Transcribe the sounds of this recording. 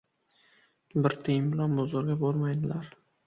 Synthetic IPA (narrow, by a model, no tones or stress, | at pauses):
bɪɾt̪ʰɪjɪmbɪlanbɒzɒɾɡʲabolmajd̪ɪlaɾ